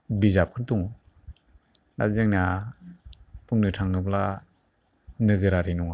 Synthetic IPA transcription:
bizap̚kʰɯɾduŋ | na̰zɯŋna | pʰuŋnɯtʰaŋnɯpla | nɯɡɯɾaɾinuŋa

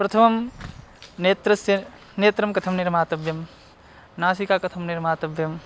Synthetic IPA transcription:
pɾɐt̪ʰɐmɐm | net̪ɾɐsjɐ | neːt̪ɾɐmkɐt̪ʰɐmniɾmaːt̪ɐbʱjɐm | naːs̬ikakɐt̪ʰɐmniɾmaːt̪ɐbʱjɐm

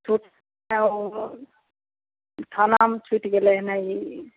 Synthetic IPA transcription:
t͡ʃʰuʈ | ʈʰanamt͡ʃʰuʈɡeleɦnaj

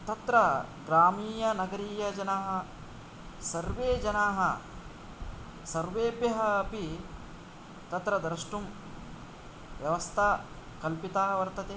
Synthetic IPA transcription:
t̪ɐt̪ɾɐɡɾaːmiːjɐnɐɡɐɾiːjɐd͡ʒɐnaɦɐ̆ | sɐɾʋeːd͡ʒɐnaːɦɐ | sɐɾʋeːbjɐɦɐːpi | t̪ɐt̪ɾɐd̪ɾɐʂʈum | ʋjɐʋɐst̪ʰaː | kɐlpit̪aːɦɐʋɐɾt̪ɐt̪eː

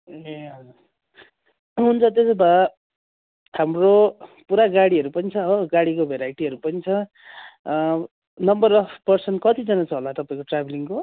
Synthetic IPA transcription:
eɦʌd͡zuɾ | ɦunt͡sʰʌt̪̬eseba | hamropuɾaɡaɽiɦʌɾupʌnit͡sʰʌʌʌɡaɽikobʱeɾajʈiɦʌɾupʌnit͡sʰʌ | nʌmbʌrʌfpʌrsʌnʈkʌt̪id͡zʌnat͡sʰʌɦolat̪ʌpaĩkoʈrabʱliŋko

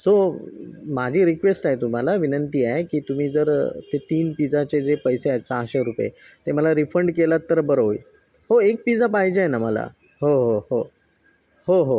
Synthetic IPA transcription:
so | mad͡ʑʱiːɾikʋesʈaɦet̪um̤alaʋinənt̪iːaɦekiːt̪um̤iːd͡zəɾt̪et̪iːnpid͡zat͡sed͡zepəjseat͡saaɕeɾupjḛt̪eməlaɾifəɳɖkelat̪ːəɾbəɾəḭ | ɦoek̚pid͡zapaɦid͡ʑajnaməla̰ | ɦoɦoho | hoɦo

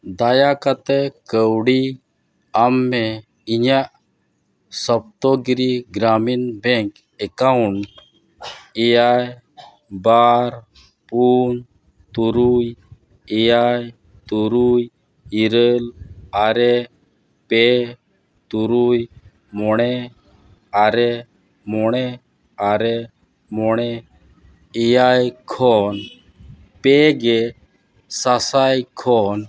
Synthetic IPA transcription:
d̪ajakat̪ekəwɽi | amːe | iɲaʔ | sɔp̚t̪ɔɡɾiɡɾaminbɛ̃ŋk | ɛkauɳ | eaj | baɾ | puːn | t̪uɾuj | eaj | t̪uɾuj | iɾəlaɾɛ | pɛ | t̪uɾuj | mɔɽ̃ɛ | aɾɛ | mɔɽ̃ɛ | aɾɛ | mɔɽ̃ɛ | ɛjajkʰɔn | pɛɡɛ | sasajkʰɔn

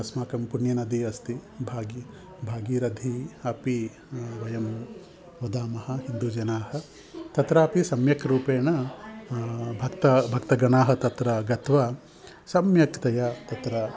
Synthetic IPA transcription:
smaːkɐmpuɳjɐnɐd̪iɐst̪ibʱaːɡi | bʱaːɡiːɾɐd̪ʱiɐpi | ʋɐjɐm | ʋɐd̪aːmɐɦɐ̆ɦind̪ud͡ʒɐnaːhɐ̆ | t̪ɐt̪ɾɐɐpisɐmjɐkʰɾuːpeːɳɐ | bʱɐkt̪ɐbʱɐkt̪ɐɡɐnaːɦɐ̆t̪ɐt̪ɾɐɡɐt̪ʋa | sɐmjɐkt̪ɐjat̪ɐt̪ɾɐ

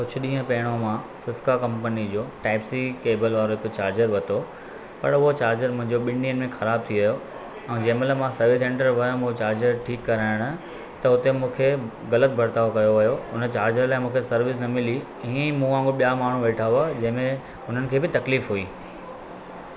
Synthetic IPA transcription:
kʊt͡ɕʰʊɗĩːɦə̃pɐɦɪɽ̃omãsɪskakɐ̃mpənid͡ʑoːʈaːɪpsikeːbəlʋaːɾoɦɪkʊt͡ɕaːɾd͡ʑəɾʋɐt̪ʰo | pɐ̰ɾʊɦot͡ɕaːɾd͡ʑəɾmʊ̃ɦɪ̃ɲd͡ʑoɓɪ̃niːənɪ̆mẽxɐɾaːb̚t̪ʰiʋɐjo | ɛ̃ːd͡ʑɐɦɪ̃meləmãsɐɾʋɪsẽːɳʈəɾʋɐjõmũt͡ɕaːɾd͡ʑəɾʈʰiːkːɐɾaːɪɽ̃ʊ | t̪ɐʊt̪emũːkʰe | ɣɐlət̪̚bʱɐɾt̪aːokɐjoʋɐjoʊnət͡ɕaːɾd͡ʑəɾlaːɪmũːkʰesɐɾʋɪs̬nɐmɪli | ĩːə̃ĩmũãːŋɡoɓijamaːɳ̤ũʋeːʈʰaːʊad͡ʑɐ̃ɦɪ̃mẽ | ʊn̤ənɪ̆kʰeːbɪt̪ɐkliːfɦuiː

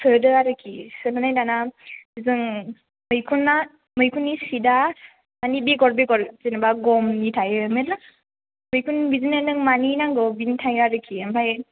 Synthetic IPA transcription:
sʰɯdɯaɾɯkʰisɯnɯnajdanab̥izɯŋ | mɯjkʰunːa | mɯjkʰunːisida | manibiɡɔɾbiɡɔɾzinbaɡɔmnitʰajɯmetla | mɯjkʰunbizinenɯŋmaninaŋɡɯbintʰajaɾɯkʰiampʰaj

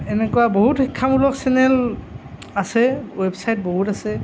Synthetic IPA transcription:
ɛnɛkɔwaboɦutxikʰːamulɔksɛnɛl | asɛwɛbsajt̚boɦutasɛ

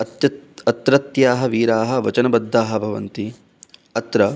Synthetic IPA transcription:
ɐt̪jɐɐt̪ɾɐt̪jaːɦɐʋiːɾaːɦɐ̆ʋɐt͡ʃɐnɐbɐd̪ʱːaːɦɐbʱɐʋɐ̰nt̪i | ɐt̪ɾɐ

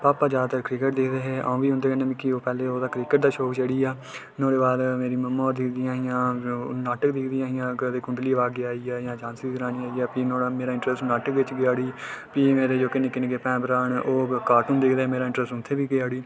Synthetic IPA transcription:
paːpaːd͡ʒaːd̪at̪əɾkɾɪkəʈ̚d̪ɪkʰd̪eːɦɛːʔa̰ũːʋiːɦʊ̃nd̪eːkəneːmɪkːiːoːpɛːleːoːd̪aːkɾiːkəʈ̚d̪aːʃoːkt͡ʃəɽiːaː | nõːɽeːbaːd̪meːɾiːməmːaːɔːɾd̪ɪkʰd̪ɪjãːɦɪjãːnaːʈəkd̪ɪkʰd̪ijãːɦɪjãːkd̪eːkʊ̃ɳɖliːʋaːɡeaːiːaːjãːd͡ʒãːnsik̪əɾaːniːaːiːaːpiːnõːaːmeːɾaːɪ̃ɳʈɾəsʈnaːʈəkʋɪt͡ʃɡɪaːɽiːpiːmeːɾeːd͡ʒoːkɪnẽːkɪneːkeːpɛ̃ːbəɾaːɳoːkaːɾʈũːnd̪ɪkʰd̪eːɛːmeːɾaːɪ̃ɳʈɾəsʈʊnt̪ʰːeːʋiːɡeaːɽiː

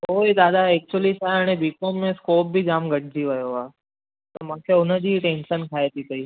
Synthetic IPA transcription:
oːid̪aːd̪aeːk̚t͡ʃuəlisaaːɽ̃ebiːkõmːẽskoːp̚bʱid͡ʒaːmɡəʈ̚ʰd͡ʒiʋəjoʋaː | t̪omãːkʰeʊnəd͡ʒiʈẽːnʃənkʰaːet̪ʰit̪ɐiː

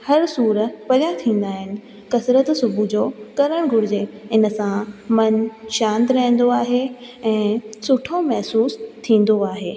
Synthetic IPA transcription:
hɐɾsuːɾəpɐlɪjãt̪ʰĩːn̆d̪aːɦɪnɪ̆ | kɐsɾət̪sʊbʱud͡ʑoːkɐɾəɽ̃ɡʱʊɾɪd͡ʑeɪnə̆sãmɐnʃãːnd̪ɾɐɦn̆d̪oaːɦeɛ̃ːsʊʈʰomɐɦsuːst̪ʰĩːn̆d̪oaːɦeː

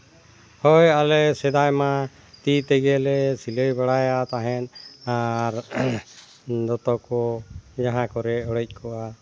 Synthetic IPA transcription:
hɔjalɛsɛd̪ajma | t̪it̪ɛɡɛlɛsiləjbaɽajat̪aɦɛnaɾ | d̪ɔt̪ɔkɔd͡ʒaɦãkɔɾɛɔɽɛc̚ˀkʰɔʔa

